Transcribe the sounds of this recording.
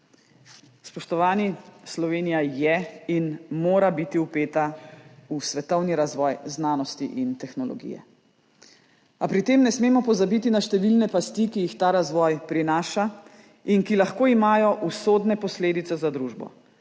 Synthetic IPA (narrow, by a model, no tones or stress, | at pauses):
spɔʃt̪ɔʋaːnislɔʋeːnijajɛinmoːɾabit̪iupeːt̪ausʋɛt̪ɔwniɾazʋɔːjznaːnɔst̪ḭʔint̪ɛxnɔlɔ̰ɡḭjɛ̰ | apɾit̪eːmnɛsmeːmɔpɔzabit̪inaʃt̪ɛʋilnɛpast̪ikijixt̪aːɾazʋɔːjpɾinaːʃa | inkilaxkoːimaːjɔʔusoːd̪nɛpɔsleːd̪it̪sɛzad̪ɾuːʒbɔ̰